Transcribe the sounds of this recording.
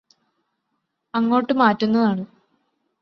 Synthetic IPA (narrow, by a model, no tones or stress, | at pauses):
ɐŋːo̞ːʈːɨmaːtːunːɐðaːɳɨ